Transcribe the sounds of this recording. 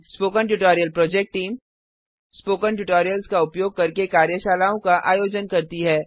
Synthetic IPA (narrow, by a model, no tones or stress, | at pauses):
spoːkəɳʈuʈoːɾijəlpɾɔːd͡ʒek̚ʈʈːiːm | spoːkənʈ̬ʊʈoːɾijəlskaʊpjoːɡ̚kɐɾkekaːɾjəʃaːlaːõkaʔa̰ːjoːd͡ʒənkɐɾt̪iɦɛː